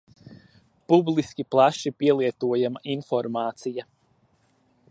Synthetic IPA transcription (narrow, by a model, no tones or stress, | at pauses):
publˠiskʲiplˠaʃipiɛlˠiɛt̪uɔjamaʔinfɔɾmaːt̪sija